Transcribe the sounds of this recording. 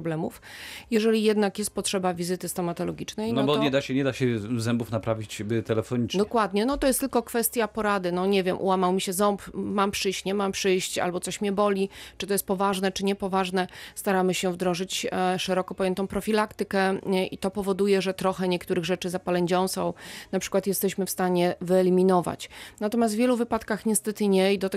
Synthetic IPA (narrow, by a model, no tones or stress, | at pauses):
ɔblɛmṵfjɛʐɛlʲijɛd̪nakjɛst̪̚pɔtʂɛbavʲizɘt̪ɘst̪ɔmat̪ɔlɔɡʲit͡ʂnɛjnɔbɔɲɛd̪aɕɛɲɛd̪aɕɛzɛmbufnapɾavʲit͡ɕbɘt̪ɛlɛfɔɲid̪ɔkwad̪ɲɛnɔt̪ɔjɛst̪ɘlkɔkfɛst̪ʲjapɔɾad̪ɘnɔɲɛvʲjɛmʔṵwamawmʲiɕɛzɔmpmampʂɘjɕt͡ɕɲɛmampʂɘjɕt͡ɕa̰lbɔt̪sɔɕmɲɛbɔlʲit͡ʂɨt̪ɔjɛst̪̚pɔvaʐnɛt͡ʂɘɲɛpɔvaʐnɛst̪aɾamɘɕɛvd̪ɾɔ̃ʐɘt͡ɕʂɛɾɔkɔpɔjɛnt̪ɔ̃w̃pɾɔfʲilakt̪ɘkɛʔḭt̪ɔpɔvɔd̪ujɛʐɛt̪ɾɔxɛɲɛk̚t̪uɾɘɣʐɛt͡ʂɘzapalɛɲd͡ʑɔ̃w̃sɔ̰̃w̃napʂɘ̥kwat̪jɛst̪ɛɕmɘfst̪aɲɛvɘɛlʲimʲinɔva̰t͡ɕnat̪ɔmʲjast̪vʲjɛluvɘpat̪kaxɲɛst̪ɛt̪ɘɲɛid̪ɔt̪ɛ